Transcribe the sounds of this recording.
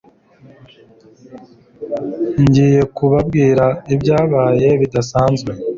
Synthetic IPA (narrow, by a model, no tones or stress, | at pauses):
ɲɟiːje̞kuβabɡiːɾaibɟaːβaːje̞βidasaːnzɡwe